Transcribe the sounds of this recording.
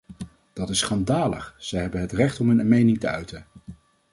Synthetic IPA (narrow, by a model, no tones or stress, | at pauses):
d̥ɑtɪsːχɑndaːlə̰χz̥ɛjɦɛbənɦətrɛχtɔmɦɵnənmejnɪŋtəœɥtən